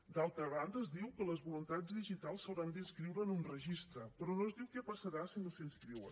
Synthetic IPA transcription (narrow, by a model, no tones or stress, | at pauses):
d̪alˠt̪ɾəβ̞and̪əːzd̪iwkələzβulunt̪ad͡zðiʒit̪alˠsəwɾand̪inskɾiwɾəːnunrəʒist̪ɾəpɾɔnoəzðiwkɛpəsəɾasinəsinskɾiwə̰